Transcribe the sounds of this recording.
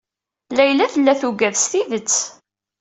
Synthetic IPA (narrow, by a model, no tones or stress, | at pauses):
læjlæθəlːæθuɡæðst̪iðət͡sː